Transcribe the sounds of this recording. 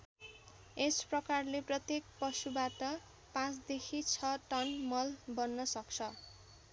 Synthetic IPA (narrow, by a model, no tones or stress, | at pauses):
esprʌkarleprʌt̪jek̚pʌsubaʈʌ | pãt͡sd̪ekʰit͡sʰʌʈʌnmʌlbʌnːʌsʌk̚t͡sʰʌ